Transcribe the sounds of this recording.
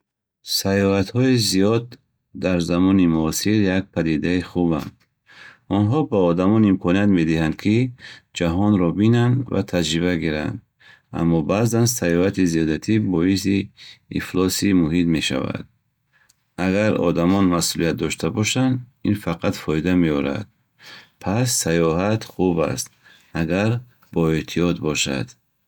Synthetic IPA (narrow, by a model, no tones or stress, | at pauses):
sajɔhat̪hɔizijɔd̪ː | aɾzamɔnimuːsiɾjak̚pʰad̪id̪aiχuba̰nd̪ | ɔnɦɔbaɔd̪amɔnimkʰɔniat̪me̞d̪ihand̪̚kʰid͡ʒaɦɔnɾɔbinand̪va̰t̪ʰad͡ʒɾibaɡiɾa̰nd̪ | a̰mːɔbazansajɔhat̪iziɔd̪at̪ʰibɔisiḭflɔsimuɦit̪me̞ʃa̰va̰d̪̥̚ | aɡaɾɔ̰d̪amɔnmasulijat̪̚d̪ɔʃt̪ʰabɔʃand̪infaqʰat̪fɔid̪ameɔɾa̰d̪̥ | pʰasːajɔɦat̪χuba̰st̪ | aɡaɾ | bɔet̪ʰiɔt̪bɔʃa̰d̪̥